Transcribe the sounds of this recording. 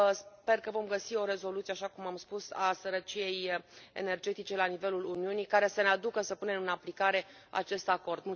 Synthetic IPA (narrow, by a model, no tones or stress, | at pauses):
spe̞rkəvo̞mɡəsio̞ɾe̞zo̞lut̪ieaʃakumamspusasəɾət͡ʃije̞jḛne̞rd͡ʒe̞t̪it͡ʃe̞lanive̞luluniunijkaɾe̞sənead̪ukəsəpune̞mɨnaplikaɾe̞a̰t͡ʃe̞st̪ako̞rd̪mul